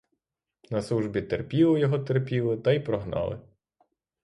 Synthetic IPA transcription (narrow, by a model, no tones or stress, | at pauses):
nɐslˠuʒbʲit̪erpʲilˠɔjɔɦɔt̪erpʲilˠɪt̪ɐjipɾɔɦnɑ̰lˠɪ̰